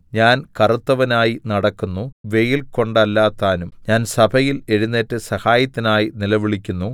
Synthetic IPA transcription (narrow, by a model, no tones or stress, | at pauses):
ɲaːnkɐrut̪ːɐʋɐnaːjinɐɽɐkːunːuʋe̞jilko̞ɳɖɐlːaːt̪ːaːnumɲaːnsɐbʰʱɐjile̞ɻunːeːtːɨsɐhaːjɐt̪ːinaːjinilɐʋiɭikʲːunːu